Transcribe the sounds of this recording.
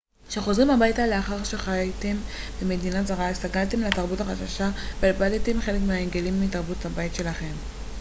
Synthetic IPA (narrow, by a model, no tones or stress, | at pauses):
ʃeχo̞zʁimhabajtaleaχaʁʃeχajajtem | beme̞dinatzaʁaist̪aɡalte̞mletaʁbutaχaʃaʃabalbaltemχe̞lekmeaenɡe̞limːitaʁbuthabaitʃe̞laχe̞m